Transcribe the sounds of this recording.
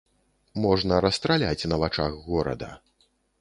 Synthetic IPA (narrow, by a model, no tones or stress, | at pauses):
mɔʐnɐɾɐst̪ɾalʲat͡sʲnɐvat͡ʂaɣːɔɾɐ̰d̪ɐ̰